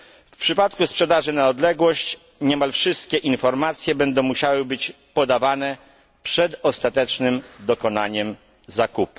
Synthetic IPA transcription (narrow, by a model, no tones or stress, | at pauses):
fpʂɘpat̪kuspʂɛd̪aʐɘnaɔd̪lɛɡwɔɕt͡ɕ | ɲɛmalfʂɘst̪̚kʲɛʔinfɔɾmat̪sʲjɛbɛnd̪ɔ̃w̃muɕawɘbɘt͡ɕ | pɔd̪avanɛ | pʂɛd̪ɔst̪at̪ɛt͡ʂnɘmd̪ɔkɔnaɲɛm | zakup